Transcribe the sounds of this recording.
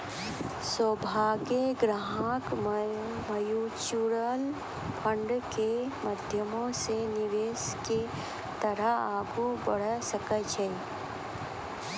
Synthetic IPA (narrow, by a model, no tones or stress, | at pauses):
sobʱaːɡeɡɾaɦãk | məjut͡ʃuɾəl | pʰə̃ɳɖkeməd̪ʱjəmõsenɪʋeːske | t̪əɾəaːɡubəɽ̤əsəkət͡ʃʰe